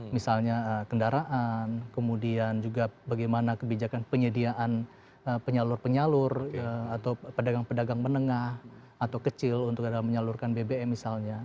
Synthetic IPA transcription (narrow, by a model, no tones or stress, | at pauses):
misalɲaəkəndaɾaʔankəmudiand͡ʒuɡabaɡajmanakəbid͡ʒakanpəɲədiaʔan | əpəɲalʊrpəɲalʊrəat̪awpədaɡaŋpədaɡaŋmənəŋah | at̪awkət͡ʃɪlunt̪ʊk̚adalaməɲalʊrkanbebeɛmisalɲa